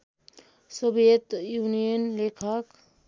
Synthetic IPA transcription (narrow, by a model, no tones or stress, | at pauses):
sobʱet̪juːnijənlekʰək